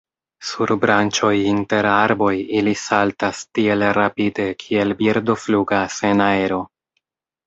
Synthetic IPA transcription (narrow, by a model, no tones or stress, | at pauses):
suɾbɾʔant͡ʃo̞jinte̞ɾaɾbo̞jilisaltastie̞lɾapide̞kʰie̞lbiɾdo̞fluɡasenaeɾo̞